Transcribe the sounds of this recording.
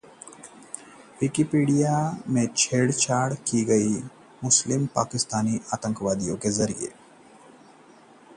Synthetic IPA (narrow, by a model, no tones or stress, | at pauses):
wɪkɪpiːɖijamẽt͡ʃʰeːɽt͡ʃaːɾɽkiɡɐi | mʊslɪmpaːkɪst̪aːniʔaːt̪ə̃ŋkʋaːd̪ijõ̰kezɐɾḭjḛ